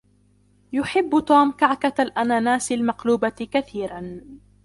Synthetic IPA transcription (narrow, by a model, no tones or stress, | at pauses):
jʊħɪbːt̪uːmkaʕkalʔanaːnaːsɪlmaqluːbakaθiːɾan